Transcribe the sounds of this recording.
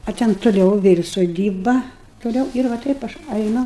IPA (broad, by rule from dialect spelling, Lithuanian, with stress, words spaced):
ɐ ˈtʲɛn tʊˈlʲɛʊ ˈʋʲeːlʲ soːˈdʲiːbɐ toːˈlʲɛʊ ɪr ʋɐ ˈtɐɪp ɐʃ ˈɐɪnʊ